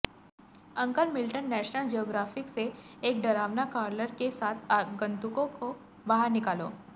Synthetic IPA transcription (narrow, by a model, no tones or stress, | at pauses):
ɐ̃ŋkəlmɪlʈənːɛːʃnəld͡ʒijoːɡɾaːfɪkseeːk̚ɖɐɾaːʋnakaːɾləɾkesaːt̪ʰaɡɐ̃nt̪ʊkõko | baɦəɾnɪkaːlo̰ː